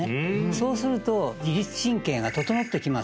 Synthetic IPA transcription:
so̞ːsɨɾɯ̟t̪o̞ɡʲiɾʲit͡sɨ̥ɕĩŋkẽ̞ŋ̃ɡat̪o̞t̪o̞not̪ːe̞kʲimas

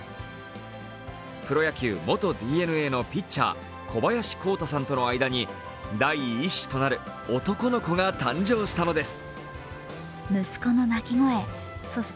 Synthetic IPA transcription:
kɯ̟ɾo̞jakʲɨːmo̞t̪o̞d̪ʲiːe̞nɯ̟e̞ːno̞pʲit͡ɕːa̰ː | kʰo̞bajaɕi̥ko̞ːt̪asãnt̪o̞no̞aid̪aɲ̟i | d̪aiːɕi̥t̪o̞naɾɯ̟ | o̞t̪o̞ko̞no̞ko̞ɡat̪ãɲ̟d͡ʑo̞ːɕi̥t̪ano̞d̪e̞sɨ̥ | mɯ̟sɨ̥ko̞no̞nakʲiŋo̞e̞ | soɕ

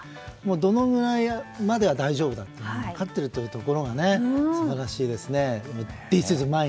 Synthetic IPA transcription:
moːd̪o̞no̞ɡɯ̟ɾaimad̪e̞ad̪aiʑo̞ːbɯ̟d̪at̪ːeokat̪ːe̞ɾɯ̟t̪ːojɯ̟ːt̪o̞ko̞ɾo̞ŋane̞sbaɾaɕiːd̪e̞sɨne̞mod̪̥isɨzɨmae

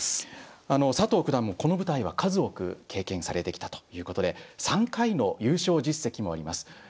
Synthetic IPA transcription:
ano̞sat̪o̞ːkɯ̟d̪ãmːoko̞no̞bɯ̟t̪aiβ̞akʰazɨo̞kɯ̟̰kʰe̞ːkẽ̞ɰ̃saɾe̞t̪e̞kʲi̥t̪ḁt̪o̥jɯ̟ːko̞t̪o̞d̪e̞sãŋkaino̞jɯ̟ːɕo̞ːʑisːe̞kʲimo̞a̰ɾʲimasɨ̥

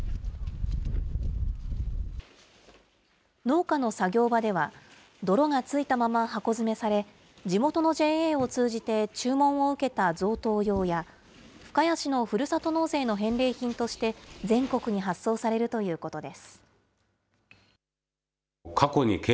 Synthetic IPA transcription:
no̞ːkano̞saɡʲo̞ːbad̪e̞βa | d̪o̞ɾo̞ŋat͡sɨit̪amamaɦako̞zɨme̞saɾe̞ | d͡ʑimo̞t̪o̞no̞ʑe̞ːeːo̞t͡sɨːʑit̪e̞t͡ɕɨːmõ̞ɰ̃o̞ɯ̟ke̞t̪azo̞ːt̪o̞ːjo̞ːja | ɸɯ̟̥kajaɕino̞ɸɯ̟ɾɯ̟sat̪o̞no̞ːse̞ːno̞ɦẽ̞nɾe̞ːçĩnt̪o̞ɕi̥t̪e̞d͡zẽ̞ŋko̞kɯ̟ɲ̟iɦasːo̞ːsaɾe̞ɾɯ̟t̪o̞jɯ̟ːko̞t̪o̞d̪e̞sɨ̥ | kʰako̞ɲ̟ike

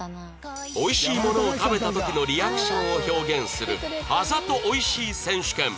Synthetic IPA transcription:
o̞iɕiːmo̞no̞ːt̪abe̞t̪at̪o̞kʲino̞ɾʲijakɯ̟̥ɕõ̞ɰ̃oço̞ːɡẽ̞ɰ̃sɨɾɯ̟azat̪o̞ʔoiɕiːsẽ̞ɰ̃ɕɨ̥kẽ̞m

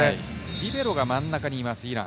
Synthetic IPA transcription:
ɾʲibe̞ɾo̞ɡamãnːakaɲ̟iːmasɨiɾã̰

